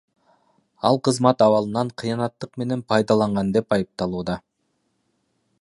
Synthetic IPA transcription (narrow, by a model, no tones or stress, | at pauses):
ɑ̰lˠqɯzmɑt̪ɑwɑlˠɯnɑɴqʰijɑnɑt̪ːɯqme̞ne̞npʰɑjd̪ɑlˠɑɴʁɑnd̪e̞pɑjɯp̚t̪ɑlˠuːd̪ɑ